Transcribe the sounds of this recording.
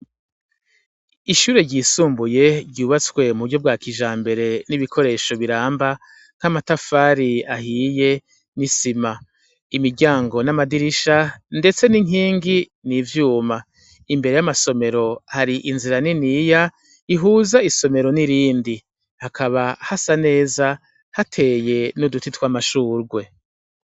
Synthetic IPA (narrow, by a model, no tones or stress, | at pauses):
iʃuːɾe̞ɾɟiːsuːmbuje̞ɾɟuːβat͡swe̞muβuɡɟo̞b̚ɡwaːkʰiʒaːmbe̞ɾe̞niβikʰo̞ɾe̞ːʃo̞βiɾaːmba | ŋ̥hamatafaːɾiaɦiːje̞ | nisima | imiɾɟaːŋɡo̞namadiɾiʃande̞t͡se̞niŋiːŋɡi | nivjuːma | imbe̞ɾe̞jamaso̞me̞ɾo̞haɾiʔinziɾaninija | iɦuːzaiso̞me̞ɾo̞niɾiːndi | hakʰaβahasane̞ːza | hatʰe̞ːje̞nudutitwamaʃuːɾɡwe̞